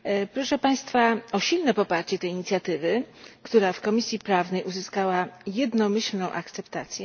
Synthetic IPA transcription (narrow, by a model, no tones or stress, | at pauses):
pɾɔʂɛpaj̃st̪faɔɕilnɛpɔpaɾt͡ɕɛt̪ɛjiɲit̪sʲjat̪ɘvɘkt̪uɾafkɔmʲisʲjipɾavnɛjʔuzɘskawajɛd̪nɔmɘɕlnɔ̃w̃ʔakt̪sɛpt̪at̪sʲjɛ